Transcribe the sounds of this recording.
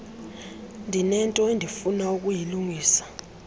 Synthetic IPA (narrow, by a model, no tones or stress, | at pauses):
ndʱinɛntʼɔendʱifunauk̬ʼujiluŋiːsḁ